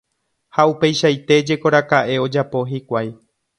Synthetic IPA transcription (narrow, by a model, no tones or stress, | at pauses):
haupe̞jʃajt̪e̞d͡ʒe̞ko̞ɾakaʔe̞o̞d͡ʒapo̞ɦikʷaj